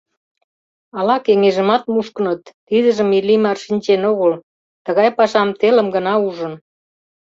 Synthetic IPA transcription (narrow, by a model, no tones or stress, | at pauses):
ɑlɑkeŋeʒə̆mɑt̪muʃkə̆nət̪ːid̪əʒə̆milimɑrʃinʲt͡ɕenoɣəl | t̪əɣɑjpɑʃɑmt̪elə̆mɡə̆nɑuʒə̆n